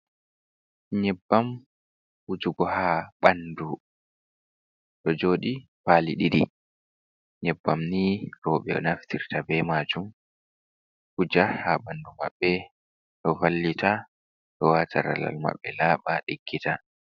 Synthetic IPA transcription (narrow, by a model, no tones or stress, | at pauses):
ɲɛbːam | ud͡ʒuɡɔhaːɓandu | ɗɔd͡ʒoːɗipaːliɗiɾḭ | ɲɛbːamniɾɔːɓɛɔ̰naftʰiɾtabɛmaːd͡ʒum | hud͡ʒahaɓanduma̰ɓːɛ | ɗɔvalːitʰa | ɗɔwaːtʰaɾa̰la̰lma̰ɓːɛlaːɓaɗiɡːita